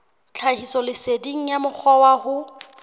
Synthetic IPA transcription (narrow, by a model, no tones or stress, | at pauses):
t͡ɬʰahisɔlɪsediŋ̩jamʊk͡xʰɔwahʊ